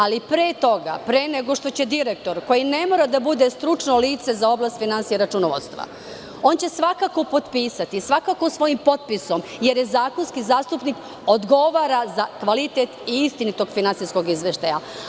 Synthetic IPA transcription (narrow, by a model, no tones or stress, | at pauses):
alipɾeːt̪o̞ɡa̰pɾeneɡo̞ʃt̪o̞t͡ɕe̞d̪iɾek̚t̪o̞ɾko̞jine̞mo̞ɾad̪abud̪e̞st̪ɾut͡ʃnoliːt̪se̞zao̞blˠaːst̪finansijeɾat͡ʃunoʋo̰t̪st̪ʋa̰ | o̞nt͡ɕe̞sʋakako̞po̞t̪piːsat̪isʋakakosʋo̞jimpo̞t̪̚piso̞mje̞ɾjezaːkonskizaːst̪upnik | od̪ɡo̞ʋaːɾazakʋalit̪et̪iist̪init̪o̞ɡfinantsijsko̞ɡizʋeʃt̪aja